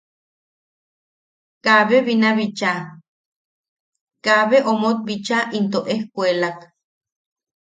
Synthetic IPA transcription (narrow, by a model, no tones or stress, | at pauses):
kaβeβinaβit͡ʃa | kaβeʔomot̪̚bit͡ʃaʔint̪oʔehkʷelak